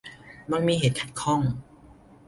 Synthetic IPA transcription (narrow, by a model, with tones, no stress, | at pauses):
ma˧ŋmiː˧ɦeː˨˩t̪̚kʰa˨˩t̪̚kʰɔ˥˩ŋ